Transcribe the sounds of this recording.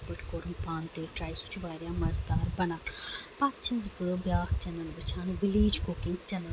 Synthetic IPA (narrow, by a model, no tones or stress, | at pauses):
pɪʈʰkoːɾənpãːnt̪eːʈɾaːisʊ̥t͡ʃʰʋaːɾjaːmɐzd̪aːɾbɐnaːpaːt̪t͡ʃʰə̃nzbʊɽobjaːkʰt͡ʃənəlʋɪt͡ʃʰaːnʋɪliːd͡ʒkʊkɪ̃ŋɡt͡ʃɐnə